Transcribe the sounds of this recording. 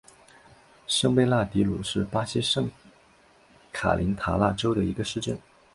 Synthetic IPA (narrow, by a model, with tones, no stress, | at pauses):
ʂɤ˥ŋpe˥ɪla˥˩t̪i˧˥lu˨˩ʂɻ̩˥˩pa˥ɕɛ˥ʂɤ˥˩ŋ | kʰa̰˨˩lʔḭ˧˥nt̪ʰa̰˧˥la̰˥˩ʈ͡ʂo˥ʊd̪ə˨˩i˧˥ɡə˧ʂɻ̩˥˧ʈ͡ʂə̰˥˩n